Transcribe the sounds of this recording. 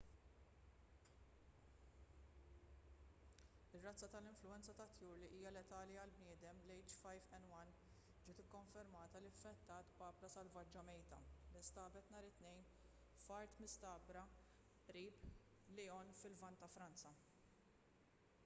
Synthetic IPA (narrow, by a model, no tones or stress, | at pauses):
ɪrːɐt͡sːɐt̪ɐlɪɱflʊɛnt͡sɐt̪ɐt̪juːɾliʔiːjɐlɛt̪ɐːliɐlbnɪːd̪ɛmlɛjt͡ʃfɐjfɛnwɐn | d͡ʒɪːt̪ɪkːɔɱfɛɾmɐːt̪ɐlɪfːɛt̪ːɐːt̪bɐːplɐsɐlvɐd͡ʒːɐmɛjt̪ɐ̰lɪst̪ɐːbɛt̪nɐːɾɪt̪nɛjn | fɐɾt̪mɪst̪ɐːbɾɐ | ʔɾiːp | lɪɔnfɪlvɐnt̪ːɐfɾɐnt͡sɐ